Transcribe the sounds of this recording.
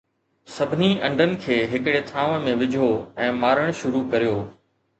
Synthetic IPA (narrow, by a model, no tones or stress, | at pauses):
sɐbʱɪniʔɐ̃ɳɖʱənɪ̆kʰeːɦɪkɽet̪ʰaːʋ̃mẽʋɪd͡ʑʱoɛ̃ːmaːɾəɽ̃ʃʊɾukɐɾijoː